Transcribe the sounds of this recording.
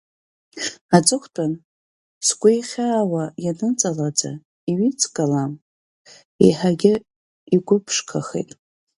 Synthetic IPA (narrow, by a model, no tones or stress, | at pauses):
ad͡zʼɨχʷtʰʼan | sɡʷʊjχʲaːwajanɨt͡sʼalad͡za̰ | iɥit͡sʰʼkʼalam | ḭħaɡʲɪ | iɡʷʊpʰʂkʰaχḛjtʼ